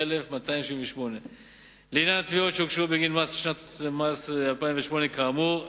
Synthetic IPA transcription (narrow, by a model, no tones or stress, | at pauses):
elefmat̪ajimʃĩveʃmone | lenjanat̪viot̪ʃukʃubeɡinlmasʃnat̪masalpaĩmveʃmonekamu